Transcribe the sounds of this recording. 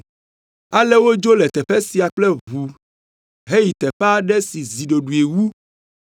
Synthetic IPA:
a˨lɛ˦wo˦d͡ʒo˦lɛ˨t̪ɛ˨ɸɛ˦si˨a˨k͡plɛ˦vu˨ | ɦe˦ji˨t̪ɛ˨ɸa˦ɖɛ˦si˨zi˨ɖo˨ɖu˨e˨wu˦

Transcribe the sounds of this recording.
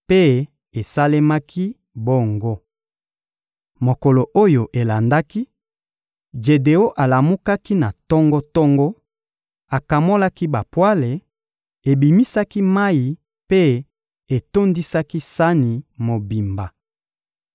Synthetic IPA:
pe˦ | e˨sa˦le˦ma˦kʰi˦ | bo˦ŋɡo˦ | mo˨ko˨lo˨ʔo˦jo˨ʔe˨la˨nda˦ki˦ | d͡ʒe˨de˨o˦ʔa˨la˨mu˦ka˦ki˦na˨tɔ˦ŋɡɔ˦tɔ˦ŋɡɔ˦ | a˨ka˨mo˦la˦ki˦ba˨pwa˦le˨ | e˨bi˨mi˦sa˦ki˦ma˦ji˨ | pe˦ | e˨to˦ndi˦sa˦ki˦sa˦ni˨mo˨bi˨mba˨

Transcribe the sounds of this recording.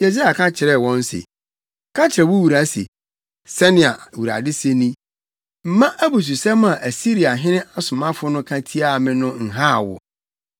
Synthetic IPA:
je˨si˦a˨kʰã˦t͡ɕʰɪ˨ɾɛ˦˨wɔ̃˦n˦sḛ˨ | kʰã˦t͡ɕʰɪ˨ɾɛ˨wʊ˦wu˨ɾa˨sḛ˨ | sɛ˦nɪ̃˨a̰˨wu˨ɾa̰˨dɪ˦se˦nĩ˦ | m̩˦mã˦ʔæ˦bu˨s̬u˨sɛ˦m˦ã˨ʔæ˨si˦ɾi˨a˨ɦɪ̃˦nɪ̃˦ʔa˨sʊ˨mã˦fʊ˦nʊ̃˦kʰã˦tʰi˦a˦˨mɪ̃˦nʊ̃˦n̩˨ɦa˦˨wʊ̰˨

